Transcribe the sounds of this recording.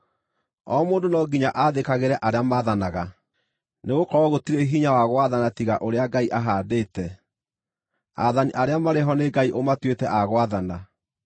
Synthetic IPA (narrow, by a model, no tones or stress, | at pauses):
ɔmoːndonɔɡiɲaʔaðekaɣeɾɛʔaɾeamaðanaɣa | neɣokɔɾɔɣotiɾeɦiɲawaɣwaðanatiɣaʔoɾeaɡaiʔaɦaːdeːtɛ | a̰ðaniʔaɾeamaɾeɦɔneɡaiʔomatwetɛʔaɣwaðana